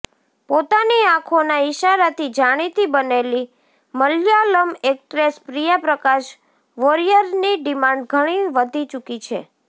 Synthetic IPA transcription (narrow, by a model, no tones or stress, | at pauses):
pot̪aniãkʰonaɪʃaɾat̪ʰid͡ʒaɽ̃it̪ibəneli | məljaləmekʈɾespɾijapɾəkaʃ | ʋoɾijəɾniɖimãɳɖ̚ɡʱəɽ̃iʋəd̪ʱit͡ʃukit͡ʃʰe